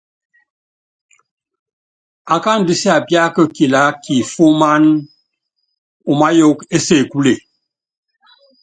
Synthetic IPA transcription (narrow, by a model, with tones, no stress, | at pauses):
a˨ka˦n˨di˦si˦a˨bja˦kə˦ki˨la˦ki˨fo˦ma˦n | u˨ma˦jo˦ke˦se˦˨ku˦le˨